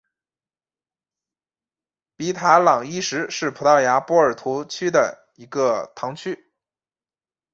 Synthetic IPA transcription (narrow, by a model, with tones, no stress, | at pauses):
pi˧˥t̪ʰa˧˥lɑ˨˩ŋi˥ʂɻ̩˧˥ʂɻ̩˥˩pʰu˨˩t̪ɑ˥˩ʊja˧˥pɔ˧˥ə˞˨˩t̪ʰu˧˥t͡ɕʰy˥d̪ə̰˨ | i˧˥ɡə˧t̪ʰɑ˧˥ŋt͡ɕʰy˥